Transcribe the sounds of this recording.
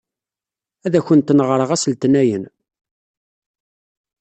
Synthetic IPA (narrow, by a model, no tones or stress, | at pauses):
æðæçənt̪nəʁɾˤəʁæslt̪næjən